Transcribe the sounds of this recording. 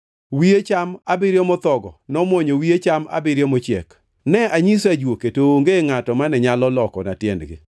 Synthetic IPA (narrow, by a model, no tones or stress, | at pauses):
wiet͡ʃamabɪɾjɔmɔt̪ɔɡɔnɔmwoɲowiet͡ʃama̰bɪɾjɔmot͡ʃjɛk | nɛaɲisad͡ʒwoketoːŋɡeŋatɔmanɛɲalɔlɔkɔnatjɛndɡɪ̰